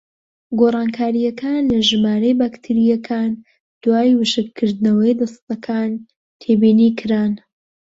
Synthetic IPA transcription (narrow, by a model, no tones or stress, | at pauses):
ɡoːrˤɑːnkʰaːɾijɐkʰaːnlɐʒɨmaːɾɐjbaːkt̪ʰiɾijɐkʰaːn | d̪̥waːjwɨʃɨkkʰɨɾd̪nɐwɐjd̪ɐst̪ɐkʰaːn | t̪ʰeːbiːnikʰɨɾaːn